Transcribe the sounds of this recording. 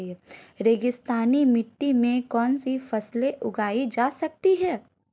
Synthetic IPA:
ɾeːɡɪst̪aːnimɪʈːimẽkɔːnsifɐsleʔʊɡaːid͡ʒaːsɐk̚t̪iɦɛː

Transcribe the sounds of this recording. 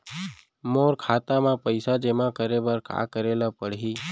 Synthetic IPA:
moːɾkʰaːt̪amãpəɪsad͡ʒemãkəɾebəɾka̰kəɾelapəɽ̤ɦiː

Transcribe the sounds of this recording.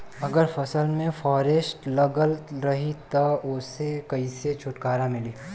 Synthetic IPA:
ɐɡəɾfɐsəlmẽfɔːɾesʈlɐɡəlɾɐɦit̪ɐʊsekɐiset͡ʃʰʊʈkaːɾamɪliː

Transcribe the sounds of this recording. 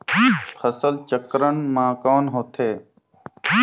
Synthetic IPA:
pʰəsəlt͡ʃəkɾəɳmãːkɔːnɦoːt̪ʰeː

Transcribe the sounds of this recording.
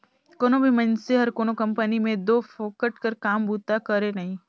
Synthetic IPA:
koːnõbʱimɐ̃nseɦɐɾkoːnokɐ̃mpənimẽd̪oːfoːkəʈkəɾkaːmbʱuːt̪akɐɾenɐɦĩː

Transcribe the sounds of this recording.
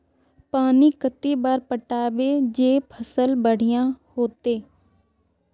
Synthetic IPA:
paːniːkət̪iːbaːɾpəʈaːʋeːd͡ʒeːpʰəsəlbəɽ̤ɪjãːhoːt̪eː

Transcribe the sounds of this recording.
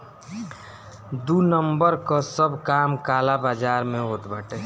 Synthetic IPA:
d̪unəmbəɾkasəbkaːmkaːlabaːd͡ʒaːɾmẽɦoːt̪baːʈeː

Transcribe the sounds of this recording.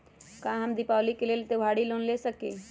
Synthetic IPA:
kãɦəmd̪ɪpaːlikeleːlt̪eʋʱaːɽiloːnlesəkḛː

